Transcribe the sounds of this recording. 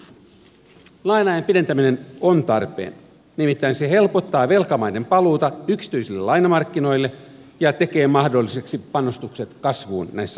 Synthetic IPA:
lɑjnɑjempident̪æmine̞nont̪ɑrpḛːn | nimit̪ːæinse̞he̞lpot̪ːɑːʋe̞lkɑmɑjde̞mpɑluːt̪ɑyksi̥t̪yisilːelɑjnɑmɑrkːino̞jlːe | jɑt̪e̞ke̞ːmɑhdo̞lːise̞ksipɑnost̪ukset̪kɑsʋuːnnæjsːæ

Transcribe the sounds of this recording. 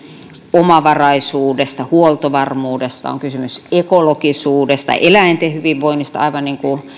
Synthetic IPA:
omɑʋɑrɑisuːdest̪ɑhuolt̪oʋɑrmuːdest̪ɑ̰o̰ŋkysymysekolokisuːdest̪ɑ̰ʔelæint̪ehyʋiʋʋoinːist̪ɑɑ̰iʋɑnniːŋku

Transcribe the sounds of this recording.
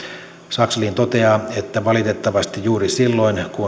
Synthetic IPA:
sɑksɑlint̪ot̪eɑːet̪ːæʋɑlit̪et̪ːɑʋɑst̪ijjuːrisilːoinku

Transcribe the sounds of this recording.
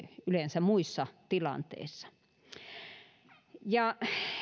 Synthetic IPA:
ylensæmuisːɑt̪ilɑ̰nt̪ḛisːɑ̥ | jɑ

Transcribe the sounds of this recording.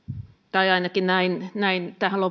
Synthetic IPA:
t̪ɑiɑinɑkinnæinnæint̪æhælo

